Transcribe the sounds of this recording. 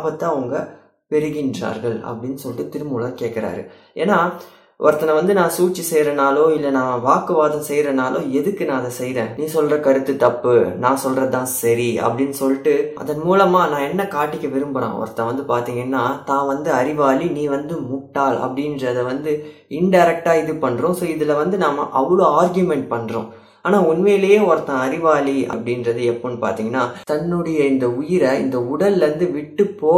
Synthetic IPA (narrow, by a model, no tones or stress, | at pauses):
abɐt̪ːãːʊŋɡɐ | pɛɾɯɣɪndra̰ːɾɣɐɭɐ̰pːɐɽɪnːɯsɔlːɪʈːɯt̪ɪɾɯmʊɭɐɾkeːʈkːɐɾa̰ːɾɯ̰ | eːnːaː | ʔɔ̰ɾt̪ːɐnɐʋɐnd̪ɯnãːsuːt͡ʃːisɛjɾɐnaːloːɪlːɐnãːʋaːkɯʋaːðɐ̃msɛjɾɐnaːloːɛðɯkːɯnãːɐðɐsɛjɾẽːniːsɔlːɾɐkɐɾɯt̪ːɯt̪ːɐpːɯnãːsɔlɾɐt̪ːãːsɐɾiɐ̰pːɐɽɪnːɯsɔlːɪʈːɯʔɐ̰ðɐnmuːlɐmaːnãːɛnːɐkaːʈːɪkʲːɐʋɪɾɯmbɐɽõ̰ːɔ̰ɾɐt̪ɐnɐ̃ʋɐnd̪ɯpaːɾt̪iːŋɡɐnːaːt̪ãːʋɐnd̪ɯɐɾɪʋaːlinĩːʋɐnd̪ɯmʊʈːaːlɐ̰pːɐɽɪnɾɐɐðɐʋɐnd̪ɯ | ɪnɖɐɪɾɛk̚ʈaːɪðɯpɐɳːɾʊ̃ːsoːɪðɯlɐʋɐnd̪ɯnaːmɐ̰ʔɐʋɭoːaːɾɡjɯmɛɳʈ̚pɐɳːɾõ̰ | aːnaːʊnmɐjɪlɐjeːɔɾɐt̪ːãɐɾɪʋaːliɐ̰pːɐɽɪndɾɐðɯɛpːoːnːɯpa̰ːɾt̪iːŋɡɐnːaːt̪ɐnːɯɽɐjɐɪnd̪ɐʊjɪɾɐɪ̰nd̪ɐʊɽɐlʋɐnd̪ɯʋɪʈːɯpːoː